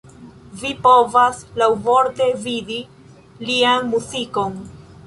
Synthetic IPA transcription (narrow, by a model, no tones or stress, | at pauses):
vipo̞vaslawvoɾte̞vidi | lianmuziko̞n